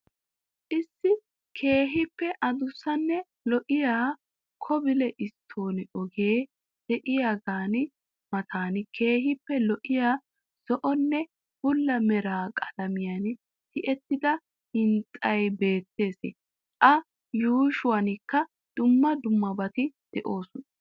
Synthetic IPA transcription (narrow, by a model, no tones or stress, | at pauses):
ʔɪsːɪ | kʰe̞ːɦɪpːɛʔɐd̪ʊsːɐnːɛ | lɔʔɪjaː | kʰɔbɪlɛʔɪst̪ʰːo̞ːnɪɔɡeː | d̪̥ɛʔɪjaɡaːnɪ | mɐt̪ʰaːnɪkʰe̞ːɦɪpːɛlɔʔɪjaː | sɔʔɔnːɛ | b̥ʊlːɐmɛɾaːkʼɐlɐmɪjɐn | t̪ɪʔɛt̪ːɪd̪ɐ | hɪnt̪ʼːɐjbe̞ːt̪ːe̞ːsɪ̰ | ʔɐ | juːʃʊwɐnɪkːɐ | d̪̥ʊmːɐd̪ʊmːɐbɐt̪ɪd̪̥ɛʔo̞ːsɔnɐ